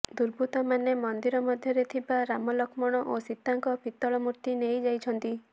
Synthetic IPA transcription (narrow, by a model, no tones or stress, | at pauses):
d̪uɾbʱut̪ɔmanemɔnd̪iɾɔmɔd̪ʱjɔɾet̪ʰibaɾamɔlɔkmɔɽ̃ɔʔosit̪ːaŋkɔpit̪ːɔɭɔmuɾt̪inejd͡ʒajt͡ʃʰɔnt̪i